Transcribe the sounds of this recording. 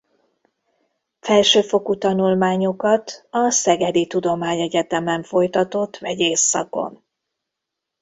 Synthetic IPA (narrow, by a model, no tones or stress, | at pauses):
fɛlʃøːfo̞kut̪ɒnulmaːɲo̞kɒt̪ɒsɛɡɛd̪it̪ud̪o̞maːɲɛɟɛt̪ɛmɛɱfo̞jt̪ɒt̪o̞t̪ːʋɛɟeːsːɒ̰ko̞̰n